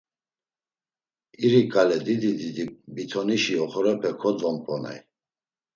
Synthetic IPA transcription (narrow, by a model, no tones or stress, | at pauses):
iɾikʼalɛd̪id̪id̪id̪ibit̪ʰɔniʃiɔχɔɾɛpʰɛkʰɔd͡zɔmpʰʼɔna̰j